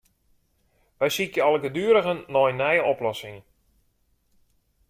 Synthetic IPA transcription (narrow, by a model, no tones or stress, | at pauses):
ʋɛjsikjəalˠəɡədyːɾəɣənːɔjnɛjəɔplɔsɪŋ